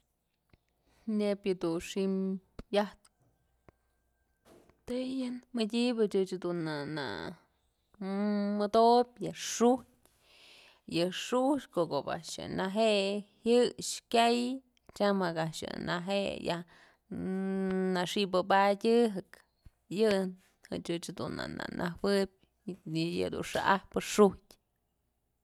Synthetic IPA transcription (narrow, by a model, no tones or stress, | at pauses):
nepjɨd̪unʂimjah | t̪ɨjɨnmɨdʲibɨt͡ʃɨt͡ʃd̪unana̰ | mɨd̪obʲjɨʂuhtʲ | jɨʂuht͡ʃkokoba̰ʔʂjɨ̰naɦeʔhjɨʂkʲaj | t͡ʃamakaʔʂɨ̰naɦeʔjah | naʂibɨbadʲɨɦɨk | jɨn | hɨ̰t͡ʃɨt͡ʃhad̪una̰na̰nʔaɦwɨb̚ʲ | ja̰d̪ṵnʂaʔahpɨʂuhtʲ